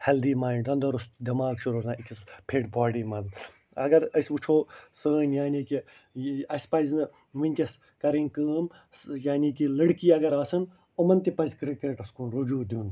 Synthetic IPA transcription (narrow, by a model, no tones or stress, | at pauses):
hɛld̪iːmaːnd̪ɐnd̪ɐɾust̪d̪ʲɐmaːɡʃuɾoːzãːikispʰeːʈbaːɽiːmɐz | ɐɡɐɾɐsbut͡ʃʰoːsəːnjaːniːki | ɐsʲpɐznɨ | ʋinʲt̪ʲɐs | kɐɾiːnkəːm | jaːniːkilɐɽkiːɐɡɐɾaːsɨn | umɐnt̪ipɐzkɾikeːʈɐskunɾud͡ʒuːd̪ʲuːn